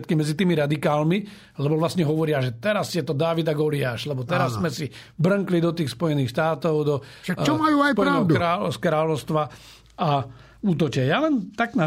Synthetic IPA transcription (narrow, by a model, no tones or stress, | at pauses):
t̪kimɛd͡zit̪iːmiɾad̪ikaːlmi | lɛbɔʋlasɲɛɦɔʋɔɾɪaʒɛt̪ɛɾasjɛt̪ɔd̪aːʋid̪aɡɔliaːʃlɛbɔt̪ɛɾasːmɛsi | bɾ̩ŋklid̪ɔt̪iːxspɔjɛniːxʃt̪aːt̪ɔʊd̪ɔʃakt͡ʃɔmajuːajpɔɾaɔd̪uaːɔskɾaːlɔʊst̪ʋa | a | uːt̪ɔt͡ʃɛjalɛnt̪aɡna